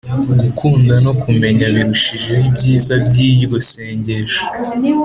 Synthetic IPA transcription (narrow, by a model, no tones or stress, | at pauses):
ɡukʰuːndano̞kume̞ɲaβiɾuʃiʒeibjiːzabjijuɡose̞ːɲɟe̞ʃo̥